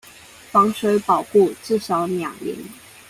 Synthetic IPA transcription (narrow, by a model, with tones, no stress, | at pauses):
fɑ˧˥ŋʂwe˧˥ɪpɑ˨˩ʊku˥˧t͡sɹ̩˥˩ʂɑ˨˧˥ʊnjɑ˨˩ŋlḭ˧˥˦ŋ